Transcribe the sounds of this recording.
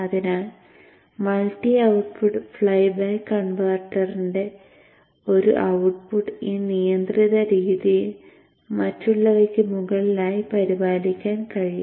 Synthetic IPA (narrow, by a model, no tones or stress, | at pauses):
ɐðinaːɭ | mɐlʈːiɐwʈpuʈɨfɭɐjbaːkːɐɳbaːrʈːɐrinde̞ | o̞ɾṵʔɐwʈ̚puʈiːnijɐnd̪riðɐɾiːðijil | mɐtːuɭːɐʋɐkʲːɨmuɣɐɭilaːjipɐɾibaːlikʲːaːnkɐɻiju